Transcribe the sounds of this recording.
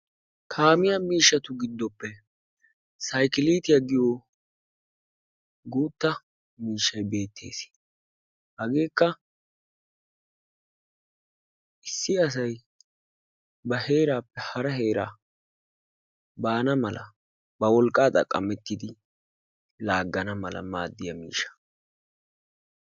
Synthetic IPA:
kʰaːmɪjamiːʃːɐt̪ʊɡɪd̪ːɔpːɛ | sɐjkɪliːt̪ɪjɐɡɪjo | ɡuːt̪ːɐ | miːʃːɐjbe̞ːt̪ʰːe̞̰ːs | hɐɡe̞ːkːɐ | ʔɪsːɪɐs̬ɐj | bɐhe̞ːɾaːpːɛhɐɾɐɦe̞ːɾaː | baːnɐmɐlɐ̰ | bɐwɔlkʼːaːt̪ʼɐ̰kʼːɐmɛt̪ːɪd̪ɪ | laːɡːɐnɐmɐlɐ̰maːd̪ːɪjɐmḭːʃɐ̥

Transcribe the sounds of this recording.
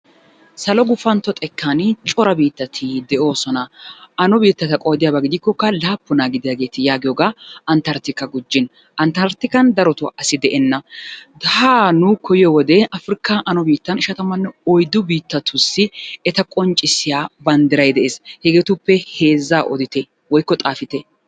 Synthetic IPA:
sɐlɔɡʊfɐnt̪ːɔt̪ʼɛkʰːɐnt͡ʃʼɔɾɐbiːt̪ːɐt̪ʰɪd̪ɛʔo̞ːsɔnɐɐnɔbiːt̪ːɐt̪ɐkʼɔjd̪ɪjaːbɐɡɪd̪ɪkːɔkːɐlaːpːʊnaːɡɪd̪ɪjaːɡe̞ːt̪ɪjaːɡɪjoɡaːɐnt̪ɐɾt̪ɪkːɐɡʊd͡ʒːɪn | ɐnt̪ɐɾt̪ɪkɐnd̪ɐɾɔt̪ʊʔɐsɪd̪ɛʔɛnːɐd̪ɐhaːnʊkʰɔjɪjɔwɔd̪ɛɐfɾɪkːaʔɐnɔbiːt̪ːɐnɪʃɐt̪ɐmɐnːɛɔjd̪ʊbiːt̪ːɐt̪ʰʊsːɪɛt̪ɐkʼɔnt͡ʃʼɪsɪjaːbɐnd̪ɪɾɐjd̪ɛʔeːshɛɡeːt̪ʊpːɛhe̞ːzːaːʔɔ̰d̪ɪt̪ɛ | wɔjkːɔt̪ʼaːfɪt̪ɛ

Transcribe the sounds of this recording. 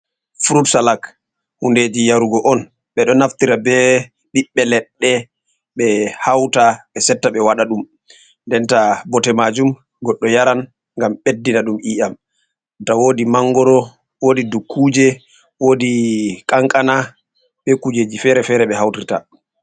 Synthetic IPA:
fuɾutsalak | hunded͡ʒijaɾuɡɔʔɔn | ɓɛɗɔnaftiɾabɛ | ɗiɓːɛlɛɗːɛ | ɓɛhawtaɓɛsɛtːaɓɛwaɗaɗum | ndɛntabɔtɛmad͡ʒum | ɡɔɗːɔjaɾan | ŋɡamɓedːinaɗumʔiːʔam | tawodimaŋɡɔɾɔ | wodidukʰːuːd͡ʒɛ | wodikʼaŋkʼana | ɓɛkud͡ʒed͡ʒifɛɾɛfɛɾɛɓɛhawtirta̰

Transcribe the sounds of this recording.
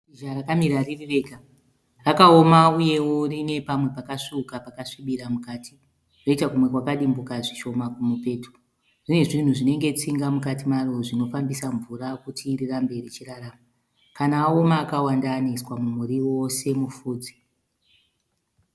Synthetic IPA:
iʒarakamiɾaririʋe̞ːka | rakao̞mauje̞wo̞rine̞pamwe̞pakaʂiukapakaʂiɓiɾamukaːti | ro̞itakumwe̞kwakaɗimbukaʐiʃo̞makumupe̞ːtu̥ | ʐ̥ine̞ʐin̤uʐine̞ŋɡe̞t͡siŋɡamukatimaro̞ʐino̞fambisaɱvurakutʰirirambe̞ret͡ʃiraraːma | kanaːomaːkawandaːniswamumuɾiwo̞se̞mufuːd͡zi

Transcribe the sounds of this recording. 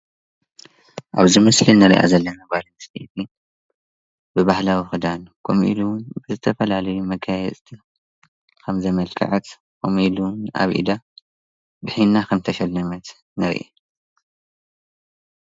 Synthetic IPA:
ʔa̰βzimɐslinɨɾḭʔa̰zɐlːɐnabalɐnst̪ʰit̪ʰi | bɨbahlawixɨd̪ankʰomʔḭlubɨzɨt̪ʰɐfɐlalɐjumɐɡajɛt͡sʼt̪ʰi | kʰɐmzɐmɐlkʰʼɐ̰ʕɐt̪ | kʰomilunʔa̰βʔḭd̪a | bɨħinːakʰɐmt̪ʰɐʃɐlːɐmɐt̪ | nɨɾ̰ʔḛ

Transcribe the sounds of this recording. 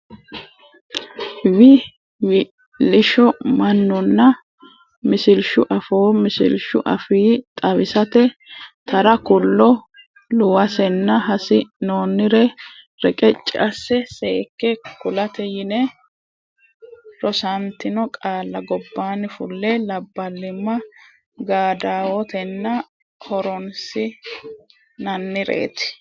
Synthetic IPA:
wɪ | wɪ | lɪʃɔmɐnːɔnːɐ | mɪsɪlʃʊʔɐfoːmɪsɪ̰lʃʊ̰ʔɐfiːt̪ʼɐβɪsɐt̪ɛt̪ʰɐɾɐkʊlːɔ | lʊwɐsɛnːɐɦɐsɪnoːnːɪɾɛ | ɾɛkʼɛt͡ʃʼːɪʔɐsːɛseːkːɛkʊlɐt̪ɛjɪnɛ | ɾɔsɐnt̪ɪnɔkʼaːlːɐɡɔbːaːnɪfʊlːɛlɐbːɐlːɪmːɐ | ɡaːd̪aːwɔt̪ɛnːɐ | hɔɾɔnsɪ | nɐnːɪɾḛːt̪ɪ̥

